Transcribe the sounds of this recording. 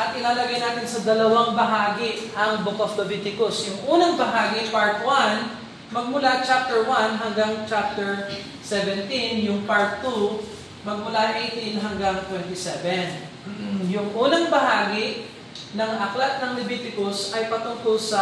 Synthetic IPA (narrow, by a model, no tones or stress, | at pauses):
ʔɐt̪ʔɪnaːlɐɡajnaːt̪ɪnsɐd̪ɐlɐwaŋbɐɦaːɡɪʔɐŋbokoflovit̪ɪkʊsjʊŋʔuːnɐŋbɐɦaːɡipaɹt̪wan | mɐɡ̚mʊlat͡ʃap̚t̪ɛɹwanɦɐŋɡaŋt͡ʃap̚t̪ɛɹ | sɛvɛnt̪injʊŋpaɹt̪ːu | mɐɡ̚mʊlaʔejt̪inɦɐŋɡaŋt̪wɛnt̪ɪsɛvɛn | jʊŋʔuːnɐŋbɐɦaːɡɪʔ | nɐŋʔɐklat̪̚nɐŋlɛbit̪ɪkosɐjpɐt̪ʊŋk̪osɐ